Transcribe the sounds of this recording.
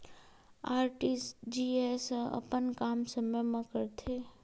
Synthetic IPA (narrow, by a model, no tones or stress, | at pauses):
aːɾʈisd͡ʒiesəə̰pənkaːmsəməjmãkəɾt̪ʰe